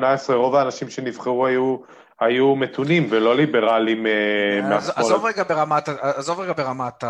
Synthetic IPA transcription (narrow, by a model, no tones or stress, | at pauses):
naesʁeʁo̞vaːnaʃimʃe̞nivχeʁuaju | ajumet̪unimvelo̞libe̞ʁalimemeaszaoovʁeɡabeʁamataazovʁeɡabeʁamat̪a